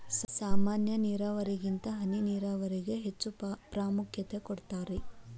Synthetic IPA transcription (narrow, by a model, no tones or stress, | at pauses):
saːmaːnjɐniːɾaːʋɐɾiɡint̪ɐɦɐniniːɾaːʋɐɾiɡe̞ɦet͡ʃːupɾaːmukʰjɐt̪ekɔɽt̪aːɾe